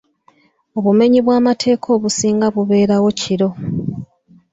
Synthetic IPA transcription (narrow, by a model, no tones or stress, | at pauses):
o̞βume̞ɲiβwaːmatʰe̞ːkʰo̞ːβusiːŋɡaβuβe̞ːɾawo̞cʰiɾo̞